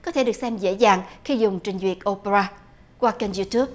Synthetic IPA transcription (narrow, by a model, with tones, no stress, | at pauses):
kɔ˨˦t̪ʰe˧˩ɗɨ˨˩ək̚sɛ˧mzḛ˧˥zaː˨˩ŋxi˧zʊ˨˩ŋ͡mt͡ɕï˨˩ŋ̟zwi˨˩ət̚ʔo˧pe˧ɾaː˧ | kwaː˧t͡ɕe˧nzu˧t̪ʰu˦˥əp̚